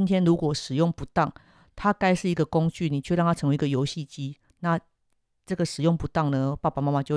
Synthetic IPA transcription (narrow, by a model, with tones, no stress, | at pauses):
i˥nt̪ʰjɛ˦nɻu˧˦˥kwɔ˨˩ʂɻ̩˨˩jɔ˥˩ŋpu˧˥t̪ɑ˥˩ŋ | t̪ʰa˦ka˥ɪʂɻ̩˥˩i˧˥ɡə˨kʊ˦ŋt͡ɕy˥˩ni˨˩t͡ɕʰɥɻɑ˥˩ŋt̪ʰa˥ʈ͡ʂʰə˧˦ŋwe˧˥˧i˧˦ɡə˨˧jo˧˥ʊɕi˥˨˩t͡ɕi˦ | na˥˨ | ʈ͡ʂɤ˥˩ɡə˩ʂɻ̩˨˩jɔ˥˩ŋpu˧˥t̪ɑ˥˩ŋnə˦pa˥˧˩pa˨ma˥ma˨˧t͡ɕjo˥˨